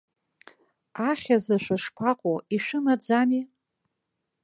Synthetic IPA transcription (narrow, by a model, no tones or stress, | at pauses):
aχʲazaʃᶣʷaʂpʰaqʼoiʃʷᶣɨmad͡zami